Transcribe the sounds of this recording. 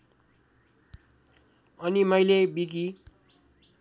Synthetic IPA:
ʌnimʌjlebiɡi

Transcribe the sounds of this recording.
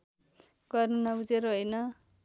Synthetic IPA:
ɡʌrnunʌbud͡zeɾɦʌjnʌ

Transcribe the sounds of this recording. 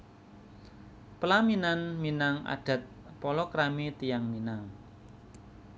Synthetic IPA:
pəlaminanminaŋa̰ɖ̥ä̤t̪̚pɔlɔkɾamit̪ijaŋminaŋ

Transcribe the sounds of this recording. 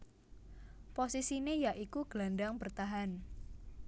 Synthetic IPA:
posisinejaʔikuɡ̥landaŋbərt̪aɦan

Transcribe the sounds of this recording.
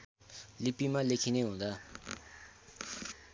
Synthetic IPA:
lipːimalekʰineɦũd̪a

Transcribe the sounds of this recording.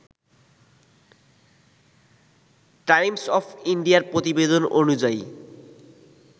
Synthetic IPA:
ʈajmsɔpʰiɳɖijaɾpɾot̪ibed̪ononud͡ʑaj

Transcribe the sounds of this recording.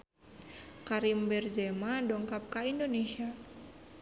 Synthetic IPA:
kaɾimbɛrzɛmadɔŋkap̚kaindonesia

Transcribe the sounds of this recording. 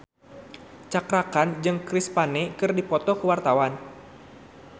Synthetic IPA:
t͡ʃakɾakand͡ʒɨŋkɾispanɛkɨrdipɔt̪ɔkəwart̪awan

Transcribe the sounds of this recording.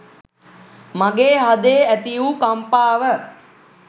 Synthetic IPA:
maɡeːɦad̪eːæt̪ijukampaːʋə

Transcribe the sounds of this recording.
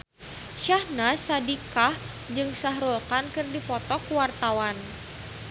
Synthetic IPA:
ʃahnasadikah | d͡ʒɨŋsaɦɾulkankɨrdipɔt̪ɔkwart̪awan

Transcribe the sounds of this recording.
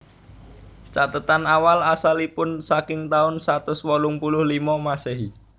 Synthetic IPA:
t͡ʃat̪ət̪anawalasalipʊnsakɪŋt̪aʊnsat̪ʊswɔlʊŋpulʊhlimɔmaseɦi

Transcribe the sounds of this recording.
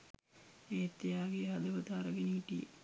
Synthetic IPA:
eːt̪ːijaːɡeɦɐd̪ɐʋɐt̪aːɾɐɡeniɦiʈijḛ

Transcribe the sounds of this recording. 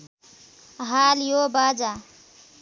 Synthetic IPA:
ɦaːljobad͡ʒa

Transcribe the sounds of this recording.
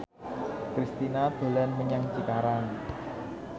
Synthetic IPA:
kɾist̪inad̪̥o̤lɛnməɲaŋt͡ʃik̪aɾaŋ

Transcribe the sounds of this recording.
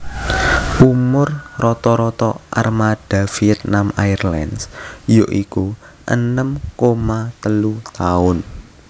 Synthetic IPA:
ʔumʊrrɔt̪ɔɾɔt̪ɔʔa̰rmad̥a̤fiɛt̪̚namajrla̰nsjoʔikuʔə̰nəmkomat̪əlut̪aʊn

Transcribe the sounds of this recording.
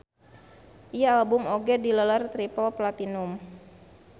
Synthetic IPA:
ʔijaːlbʊmoɡɛdiləlart̪ɾipɔplat̪inʊm

